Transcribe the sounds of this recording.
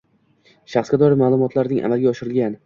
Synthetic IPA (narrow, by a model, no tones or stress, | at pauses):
ʃaχsɡʲad̪ɒɾɪmaːlˠʊmɒt̪ʰlaɾnɪŋʲʔa̰malɡʲaɒʃɪɾɪlɡʲan